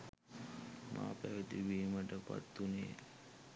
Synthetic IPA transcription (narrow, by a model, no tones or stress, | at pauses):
mʔaːpæʋət̪iʋiːməʈəpa̰t̪ːunḛː